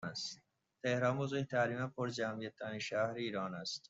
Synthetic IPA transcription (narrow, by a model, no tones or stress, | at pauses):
s | t̪ehɾɑːnmozeht̪ʰaːɾimæpʰoɾd͡ʒamijet̪̚ːɑːniʃæhɾiːɾɑːnæst̪